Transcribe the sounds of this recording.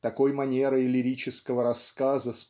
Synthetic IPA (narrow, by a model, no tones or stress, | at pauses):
t̪ɐko̞jmɐnʲe̞ɾɨɪlʲɪɾʲit͡ɕɪskəvəɾɐskazəs